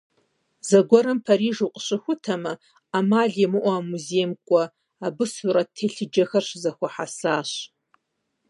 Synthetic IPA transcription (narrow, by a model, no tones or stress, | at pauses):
zɐɡʷɔɾɨmpʰaɾiːʐuqʼɕɨxʷʊtʰɐmɨ | amaɮjemɨʔʷaːmuzejmkʷʼa | abɨsuɾatʰeɬɨd͡ʒɐxɐrʃzɐxʷaħasaːɕ